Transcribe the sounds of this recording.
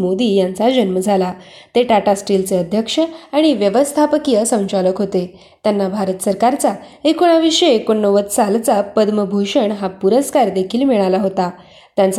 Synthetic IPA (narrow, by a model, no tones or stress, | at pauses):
mod̪iːjant͡sad͡ʑənməd͡zʱala | t̪eʈaʈasʈilt͡seəd̪ʱjəkʂəaɽ̃iʋjəʋəst̪ʰapəkijəsə̃w̃t͡ɕaləkɦot̪e | t̪janːabʱaɾət̪səɾkaɾt͡saekoɽ̃aʋiʂəːkoɳːəʋət̪salt͡sapəd̪məbʱuɕəɳɦapuɾəskaɾd̪ekʰiːlmiɭalaɦot̪a | t̪jãnt͡s